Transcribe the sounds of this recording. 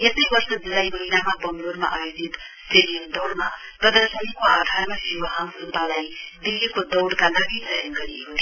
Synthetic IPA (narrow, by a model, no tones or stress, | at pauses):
esʌjbʌrsʌd͡zilajmʌɦinamabʌmlurma̰ʔajod͡zit̪seɾiʌnd̪ʌwɽmaprʌd̪ʌrsʌnikoaʈʰamʌsiwʌɦãŋkrupalajd̪ilːikod̪ʌwɽkalaɡisʌjʌnɡʌɾikot̪ʰ